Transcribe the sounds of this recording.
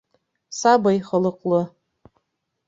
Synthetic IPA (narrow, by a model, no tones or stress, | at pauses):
sabajχələqʼlɨ